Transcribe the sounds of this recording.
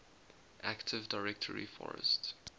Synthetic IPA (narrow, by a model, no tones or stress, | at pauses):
ʔæktʰɪvdaɪɹɛktʰəɹḭfɔ̰ɹə̰st